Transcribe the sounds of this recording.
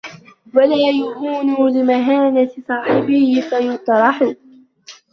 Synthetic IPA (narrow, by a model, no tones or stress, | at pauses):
walaːjahuːnulɪmaɦaːnat̪ɪsˤɑːħɪbɪhɪfajʊt̪ˤɾˤɑħʊ